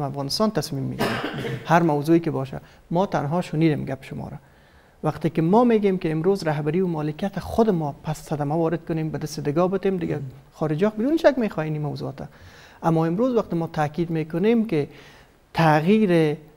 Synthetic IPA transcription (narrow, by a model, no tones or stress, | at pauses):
afɣɑːnɪst̪ɑnt̪asmimːḭɡiɾamhaɾmawzoikɪbɔʃa̰ | mɔt̪anɦɔʃʊniːd̪emɡapɪ̥ʃʊmɔ̰ɾa | waqt̪ekɪmɔmeɡemkɪːmɾozɾaɦbaɾiwʊmɔːlɪkijat̪aχʊd̪ɪmɔpasːad̪amawɒːɾɪd̪̚kʊnembad̪ɪst̪ɪd̪ɪɡɔbɪt̪emd̪ɪɡa | xɔɾɪd͡ʒɔk̚bɪd̪unʃakmexɔjenimawzuɔt̪a | amːɔɪmɾozwaqt̪ɪmɔːt̪ʰakid̪mekʊnemkɪ | t̪ʰaɣiɾɪ